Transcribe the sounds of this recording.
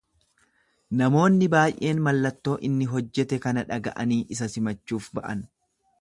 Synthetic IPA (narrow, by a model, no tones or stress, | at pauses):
nɐmo̞ːnːɪbaːjʔe̞ːnmɐlːɐt̪ːo̞ːʔɪnːɪɦɔd͡ʒːɛt̪ɛkɐnɐᶑɐɡɐ̰ʔɐniːʔɪsɐsɪmɐt͡ʃːuːfbɐʔɐn